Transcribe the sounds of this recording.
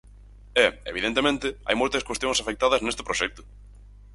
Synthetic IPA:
ɛḛβ̞iðent̪emẽnt̪ɪa̰jmojt̪ɐskwest̪jõŋsafek̚t̪aðɐznest̪ɪ̥pɾoʃɛk̚t̪ʊ̥

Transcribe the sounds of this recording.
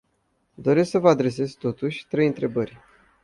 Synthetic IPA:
d̪o̞ɾesksəvəad̪ɾe̞s̬e̞zt̪o̞t̪uʃʲt̪ɾe̞jɨnt̪ɾe̞bərʲ

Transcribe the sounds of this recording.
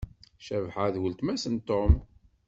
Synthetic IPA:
ʃævħaðwəlt̪mæsənt̪om

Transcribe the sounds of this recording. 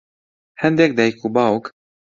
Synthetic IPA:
hænd̪æk̚d̪æjkubɑuk

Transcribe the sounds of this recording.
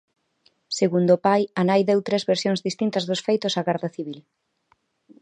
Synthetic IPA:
seɣund̪opajanajðewt̪ɾezβeɾsjoŋzðist̪int̪ɐzðosfejt̪ʊsaɣɛɾðɐθiβ̞il

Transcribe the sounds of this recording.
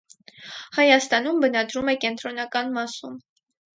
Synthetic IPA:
hɑjɑst̪ɑnumbənɑd̪ɾumɛkɛnt̪ʰɾɔnɑkɑnmɑsum

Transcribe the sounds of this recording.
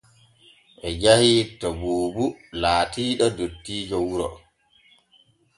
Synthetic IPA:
ʔɛd͡ʒahitɔbuːbulaːtiːɗɔdotːiːd͡ʒɔwuɾɔ̰

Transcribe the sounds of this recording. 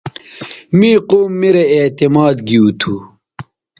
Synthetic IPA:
miːqoːmːiɾeet̪imaːd̪ɡiut̪ʰu

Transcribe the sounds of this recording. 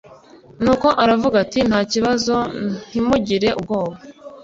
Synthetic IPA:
nuːko̞ʔaɾavuɡatin̥haːciβazo̞n̥imuɟiɾe̞ʔub̚ɡo̞ːβa

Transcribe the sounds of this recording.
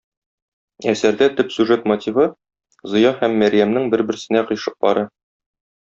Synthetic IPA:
æsæɾd̪æt̪ɵpsʲʉʒet̪mot̪ʲivɤ | zŏjɑhæmːæɾjæmnɘŋbɘ̆ɾbɘ̆ɾsɘ̆næqɤ̆jʃɤ̥q̚bɒɾɤ

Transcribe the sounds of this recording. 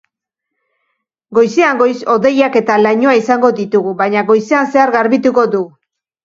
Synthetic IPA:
ɡo̞jseaŋɡo̞jso̞ðe̞jake̞t̪alaɲoaisaŋɡo̞d̪it̪uɣuβaɲaɣo̞jseanse̞aɾɣaɾβit̪uko̞du

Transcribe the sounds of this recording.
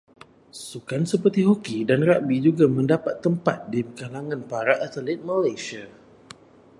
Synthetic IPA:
sukansəpərt̪iɦokidanraʔbid͡ʒuɡamə̃ndapat̪ːəmpat̪̚dikalaŋãnpaɾaʔat̪əlɛt̪̚malajsia

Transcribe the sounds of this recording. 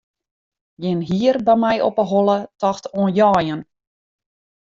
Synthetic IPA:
jɪnɦiərbɛjmɛjʔɔ̰pəɦɔlˠətɔxtoənjɔːjən

